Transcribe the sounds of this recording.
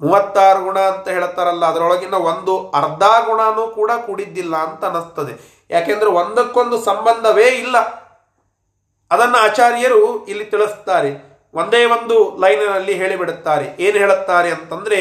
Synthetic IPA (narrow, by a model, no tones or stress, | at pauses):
muːʋɐt̪ːaːɾɐɡuɳaːɐnt̪ɐɦeːɭut̪ːaːɾɐlːɐːd̪ɐɾɔɭɐɡinːɐʋo̞nd̪uɐɾd̪ʱaːɾɡuɳaːnuːkuːɽakuːɽid̪ːilːɐːnt̪ɐːnust̪ɐd̪e | jʔaːkend̪ɐɾeond̪ɐkːo̞nd̪usɐmbɐnd̪ʱɐʋe̞ːilːɐ | d̪ɐnːɐaːt͡ʃaːɾjɐɾuilːit̪iɭist̪aːɾe | ʋo̞nd̪e̞ːʋo̞nd̪ulɐjnɐnɐlːiɦe̞ːɭibiɽt̪ːaːɾeʔeːnuɦeːɭut̪ːaːɾeɐnt̪ɐnd̪ɐɾe̞